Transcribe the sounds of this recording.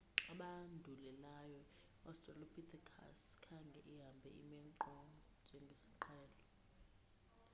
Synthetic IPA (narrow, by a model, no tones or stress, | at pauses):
aɓandʱulɛlajɔ | ɔstʼralopʰitʰakʰa̰skʰaŋɡʱɛ̰ʔiɦambʱɛ̰ḭmɛǃɔ | nd͡ʒʱɛŋɡʱesi̥ǃʰɛːlɔ